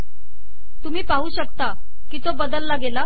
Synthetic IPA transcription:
t̪um̤iːpaɦuːɕəkt̪a | kiːt̪obəd̪əlːaɡela

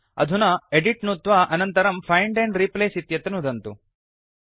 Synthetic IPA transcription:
ɐ̰d̪ʱunɐeɖiʈnut̪ʋaʔɐnɐnt̪ɐɾɐmpʰɐjɳɖeɳɖɾipleːsit̪jɐt̪ɐnud̪ɐnt̪u

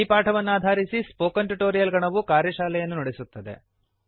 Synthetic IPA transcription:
ipaːʈʰɐʋɐnːuaːd̪ʱaːɾisispoːkɐnʈuʈoːɾijɐlɡɐɳɐʋukaːɾjɐʃaːlɛjɐnːunɐɽesut̪ːɐd̪e̞̰

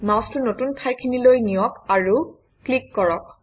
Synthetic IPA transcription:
mawstʊnotuntʰajkʰinilojnijɔkaɹu | klikːɔɹɔk̚

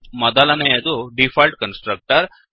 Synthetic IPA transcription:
mɐd̪alanejed̪uɖifalʈkənsʈɾək̚ʈəɾ

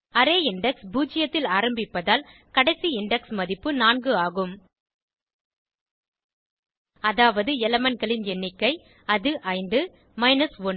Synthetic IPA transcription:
ɐɾeːɪɳɖɛksbuːd͡ʒɪjɐt̪ːɪlaːɾɐmbɪpːɐðaːl | kɐɽɐɪsiɪɳɖɛksmɐðɪpːɯnaːnɡɯaːɣɯm | ɐðaːʋɐðɯɛlɐmɐnɡɐɭɪnɛnːɪkːɐɪ | ɐðɯʔɐɪnd̪ɯ | mɐɪnɐsʋɔn

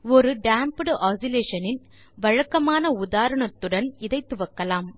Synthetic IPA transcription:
ɔɾɯɖaːmpɯɽʔaːsɪleːʂɐnɪn | ʋɐɻɐkːɐmaːnɐʊðaːɾɐɳɐt̪ːɯɽɐnɪðɐɪt̪ːɯʋɐkːɐlaːm

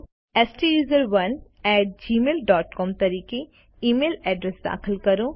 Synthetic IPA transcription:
eːsʈijuːzəɾʋɐn | ɛːʈ̚d͡ʒiːmeːlɖɔːʈkɔːmt̪ɐɾiːke | iːmeːlɛːɖɾɛsd̪a̰ːxɪlkɐɾõː

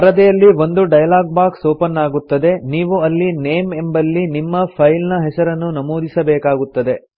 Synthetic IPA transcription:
ɐɾɐd̪ɛjɐlːiʋo̞nd̪uɖɐjɐlaːɡ̚baːksoːpɐnːaːɡut̪ːɐd̪e̞niːʋuɐlːineːmembɐlːinimːɐpʰɐjlnɐɦɛsɐɾɐnːunɐmoːd̪ʱisɐbɛːkaːɡut̪ːɐd̪e̞

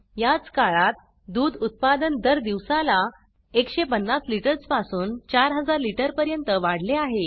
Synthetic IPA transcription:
jat͡skaɭat̪̚ | d̪uːd̪ut̪̚pad̪ənd̪əɾd̪iʋsala | ekɕepənːasliʈəɾspasuːnt͡ɕaɾɦəd͡zaɾliʈəɾpəɾjənt̪əʋaɽ̤leaɦe

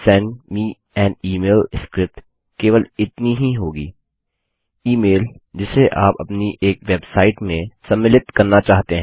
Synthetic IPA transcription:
sɛ̃ɳɖmiː | ɛ̃ːniːmeːlskɾɪp̚ʈ | keːʋəlɪt̪niɦiɦoːɡḭː | iːmeːld͡ʒɪseʔaːpɐ̰pniʔeːkʋeːbsaːɪʈmẽsɐ̃mːɪlɪt̪kɐɾnat͡ʃaːɦt̪eɦɛ̃

